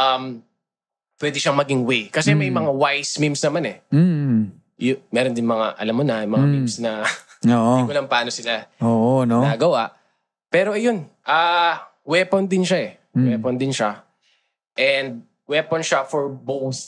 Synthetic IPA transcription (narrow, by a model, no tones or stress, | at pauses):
ʔɐm | pwɛd̪ɪʃaŋmɐɡɪŋwejkɐsɛmɐjmɐŋawajsmimsnɐmanɛ | jʊmɛːɾond̪ɪnmɐŋa̰ʔɐ̰lamːonɐmɐŋammimsnɐ | oʔikʊlɐŋpaːno̞sɪlaoːʔonoaːɡɐwaʔ | pɛːɾo̞ʔɐjo̞nʔaːwɛpond̪ɪnʃaʔɛ | wɛpond̪ɪnʃa | ʔɛnd̪̚ | wɛponʃafɔɹbowθ